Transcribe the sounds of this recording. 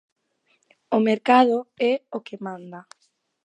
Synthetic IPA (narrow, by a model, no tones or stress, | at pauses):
omeɾkaðoɛokɪmãnd̪a